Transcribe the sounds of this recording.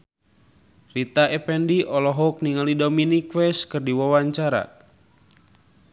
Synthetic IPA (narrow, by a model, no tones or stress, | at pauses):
rit̪aʔɛpɛndiʔɔlɔɦɔk̚niŋalidominikwɛskɨrdiwawaɲt͡ʃaɾa̰